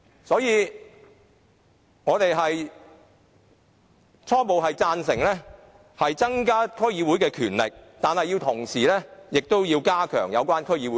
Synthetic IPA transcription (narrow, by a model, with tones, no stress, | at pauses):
sɔː˨˥jiː˨˧ | ŋɔː˨˧t̪e˨jɦɐ˨j | t͡ʃʰɔː˥po˨wɦɐ˨jt͡saː˧nsɪ˨˩ŋlɛː˥ | hɐ˨jt͡sɐ˥ŋkaː˥kʰɵ˥ɥjiː˨˧wuː˨˥jkɛː˧kʰyː˨˩nlɪ̰˨k̚t̪aː˨nhɐ˨jːi˧wt̪ʰʊ˨˩ŋsiː˨˩lɛ˥jɪ˨k̚t̪o˥wjiː˧wkaː˥kʰœ̰ː˨˩ŋjɐ˨˧wkʷaː˥nkʰɵ˥jiː˨˧wu˨˦